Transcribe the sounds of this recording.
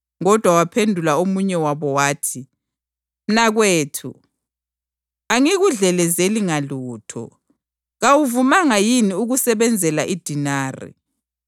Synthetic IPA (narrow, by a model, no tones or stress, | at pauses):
ŋɔd̥ʱwawapʰendʱulaomuɲɛwaβɔwaːtʰi | m̩naɣweːtʰṵ | aŋiɣuɮɛlɛzeliŋaluːtʰɔ̰ | ɣawuvumaŋajiniuɣusɛβɛnd͡zʱɛlaʔid̥ʱinaːrḭ